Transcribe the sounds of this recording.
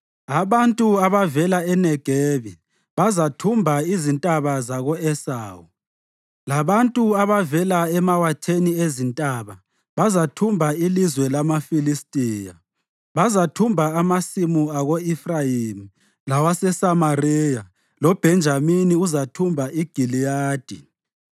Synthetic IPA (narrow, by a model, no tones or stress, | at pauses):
aβantʼuaβavɛlaɛnɛɡ̥ʱɛːβi | βazatʰumbʱaizintʼaβazaɣɔɛsaːwu | laβantʼuaβavɛlaɛmawatʰeniezintʼaβa | βazatʰumbʱailizwɛlamafilistʼiːja̰ | βazatʰumbʱaamasimuaɣoifrajimi | lawasɛsamariːja | lɔb̥ʱɛnd͡ʒʱaminiuzatʰumbʱaʔiɡ̥ʱilijaːd̥ʱḭ